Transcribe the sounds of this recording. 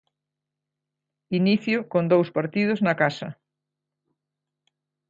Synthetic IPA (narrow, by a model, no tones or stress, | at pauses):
iniθjʊkond̪owspaɾt̪ið̞ʊznɐkasɐ